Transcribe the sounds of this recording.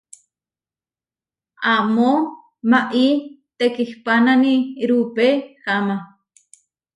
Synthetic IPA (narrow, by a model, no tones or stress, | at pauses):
amo | maʔit̪ekihpananiɾupexama